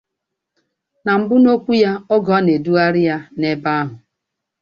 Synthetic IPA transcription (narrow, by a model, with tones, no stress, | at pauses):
na˨m̩˨bʊ˦no˦kʷu˦ja˦ɔ˦ɡɔ˨˦ne˨du˦a˦ɾɪ˦ja˦ne˦ba˦a˦ɦʊ˨